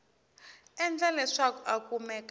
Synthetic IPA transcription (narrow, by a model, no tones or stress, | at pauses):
ɛnd͡ɮalɛʂakɔʔakʼumɛk